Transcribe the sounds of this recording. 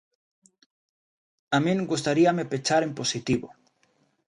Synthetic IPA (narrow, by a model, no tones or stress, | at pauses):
amĩŋɡust̪aɾiamepet͡ʃaɾemposit̪iβo̰